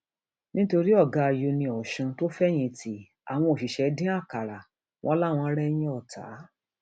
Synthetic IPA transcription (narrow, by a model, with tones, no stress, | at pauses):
nĩ˦to˧ɾi˦ɔ˦˨ɡa˨˧˨jo˧nĩ˧ɔ˨ʃũ˧to˦fɛ˦j̃ĩ˧˦tʰi˦ | a̰˨w̃ɔ̃˧o˨ʃi˨ʃɛ˧˦dĩ˦a˦˨ka˨ɾa˨ | wʔɔ̰̃˦la˦˨w̃ɔ̃˧˦ɾɛ˦j̃ĩ˦ɔ˦˨ta̰˨˦